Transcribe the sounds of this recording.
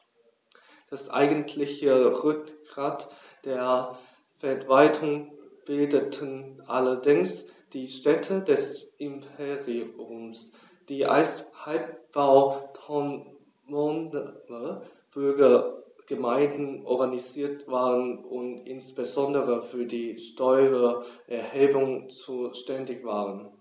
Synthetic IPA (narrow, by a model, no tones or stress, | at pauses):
d̥asʔa̰ɪɡəntʰlɪçəʁʏkɡ̥ʁaːt | d̥eːɐ | fɛɐvaltʰʊŋb̥ɪldətʰənʔalɐdɪŋsd̥iːʃtɛtʰədɛsʔɪmpʰeʁiʊms | d̥iːʔa̰sthalp̚b̥aʊtʰɔn | mɔndə | b̥ʏɐɡɐɡ̥əmaɪ̃ndn̩ʔɔɐɡaniziːɐtv̥aːʁənʔʊntʔɪnsb̥əzɔndəʁəfyːɐdiːʃtɔʏʁəʔɛɐheːbʊŋt͡suːʃtɛndɪçv̥aːʁən